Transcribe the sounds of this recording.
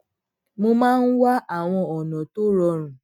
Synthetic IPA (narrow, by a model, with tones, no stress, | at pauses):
mo˧mãː˦n̩˦wa˦ʔa˦˨w̃ɔ̃˧ɔ˨nɔ̃˨to˦ɾɔ˧ɾ̃ũ˨